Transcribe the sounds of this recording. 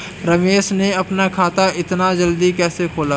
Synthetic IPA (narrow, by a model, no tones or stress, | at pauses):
ɾɐmeːʃneɐpnakʰaːt̪aɪt̪nad͡ʒɐld̪ikɛːsekʰoːlaː